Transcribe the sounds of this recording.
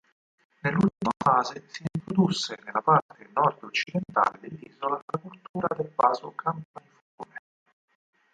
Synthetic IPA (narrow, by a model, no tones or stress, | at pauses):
nelːult̪imafaːzesiːnt̪ɾod̪usːenelːapart̪enɔrd̪ot͡ʃːid̪ent̪a̰ːled̪elːiːzolalakult̪uːɾad̪elbaːzokampaifuṵːne